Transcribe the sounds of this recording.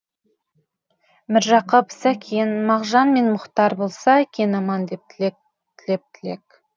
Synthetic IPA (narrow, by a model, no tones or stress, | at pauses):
mɪɾʒɑqəpsækʲʰejnmɑʁʒɑnme̞nmʊqt̪ɑɾbo̞lˠsɑækʲʰe̞nɑmɑnd̪ep̚ | t̪ʰɪlep̚t̪ʰɪle̞k